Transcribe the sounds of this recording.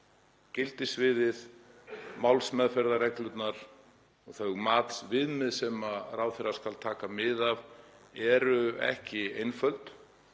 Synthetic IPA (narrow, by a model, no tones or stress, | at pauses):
cɪlt̪ɪsvɪðɪð | mawlsmɛðfɛɾðarɛklʏt̪naɾ̥ | ɔɣθœɣmaːt̪svɪðmɪðsɛmaraːwθɪɾaskalt̪ʰaːkamɪðav | ɛɾʏɛ̰hcɪejnfœlt̪